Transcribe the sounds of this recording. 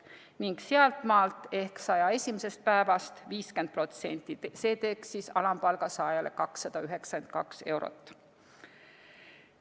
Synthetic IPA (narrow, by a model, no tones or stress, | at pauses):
niŋɡ̥seɑlt̪ˑmɑːlt̪ːˑe̞hksɑjɑe̞sʲimese̞st̪̚pæevɑst̪viːskend̪̚pro̞t̪se̞̰nʲt̪ˑːise̞ːt̪e̞ksisɑlɑmpɑlɡ̥ɑsɑjɑle̞̰kɑksːɑd̪̥ɑyɦe̞ksɑkend̪̥̚kɑ̰kse̞̰wɾo̰t̪ːˑ